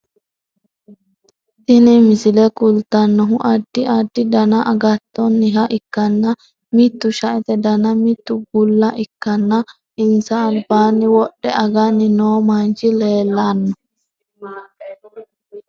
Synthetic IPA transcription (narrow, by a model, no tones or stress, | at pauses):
ʔɪnɪmɪsɪlɛkʊlt̪ɐnːɔɦʊʔɐd̪ːɪʔɐd̪ːɪd̪ɐnɐʔɐɡɐt̪ːɔnːɪɦɐʔɪkːɐnːɐ | mɪt̪ːʊʃɐʔɛt̪ɛd̪ɐnɐmɪt̪ːʊɡʊlːɐʔɪkːɐnːɐ | ʔɪnsɐːlbaːnːɪwɔɗːɛʔɐɡɐnːɪnoːmant͡ʃɪleːlːanːɔ